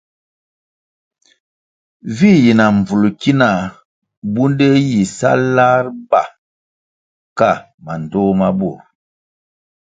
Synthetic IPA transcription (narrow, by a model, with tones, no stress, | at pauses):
vi˦˨ji˨na˨ɱ˨b͡vu˨lu˨ki˦na˨ | bu˦nde˦ji˨sa̰˦la˦ɾba̰˨ | ka˦˨ | ma˨n˨dɔ˦ma˦bu˨ɾ